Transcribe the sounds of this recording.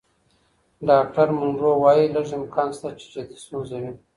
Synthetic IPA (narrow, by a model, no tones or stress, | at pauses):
ɖɑk̚ʈaɾmʊnɾowɑjiləʐɪmkʰɑnst̪at͡ʃe̥d͡ʒet̪i̥snozawi